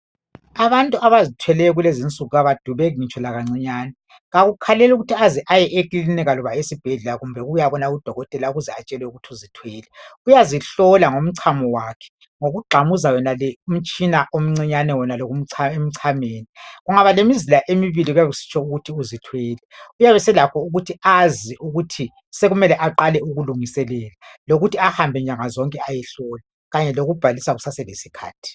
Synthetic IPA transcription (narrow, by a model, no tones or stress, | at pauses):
aβantʼuʔaβazitʰwɛlɛjɔɣulezint͡sʼuɣuɣaβad̥ʱuβɛɣŋit͡ʃʼɔlaɣaŋ͡ǀiɲaːnɛ | ɣaɣukʰalɛluɣutʰiaziʔajɛʔekʼilinɛɣalɔβaesib̥ʱɛɮɛlaɣumbʱɛɣujaβɔnaɣud̥ʱɔɣɔtʼɛlauɣuzɛat͡ʃʼɛlwɛuɣutʰiuzitʰwɛːlɛujaziɬɔlaŋom̩ǀʰamɔwakʰɛ̥ | ŋoɣuɡ͡ǃʱamuzawɛnalɛum̩t͡ʃʼinaʔom̩ŋ͡ǀiɲanɛwɛnaloɣum̩ʰem̩ǀʰameːniɣuŋaβalemizilaʔemiβiliɣujaβusi̥t͡ʃʰɔuɣutʰiuzitʰweːlɛujaβɛsɛlakʰɔuɣutʰiaziʔuɣutʰi | seɣumɛlɛʔaǃalɛuɣuluŋisɛlɛːlaloɣutʰiahambʱɛɲaŋazɔŋkʼɛajɛɬɔla | ɣaɲɛloɣub̥ʱalisaɣusasɛlesikʰa̰ːtʰi̥